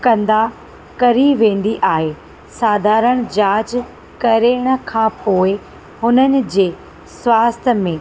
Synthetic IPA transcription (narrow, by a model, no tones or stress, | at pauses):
kɐ̃nd̪a | kɐɾiʋẽːn̆d̪iʔaːɦe | saːd̪ʱaːɾəɽ̃d͡ʑaːt͡ɕ | kɐɾeɽ̃ə̆kʰãːpoːɪ | hʊnənɪ̆d͡ʑeː | swaːst̪ʰəmẽ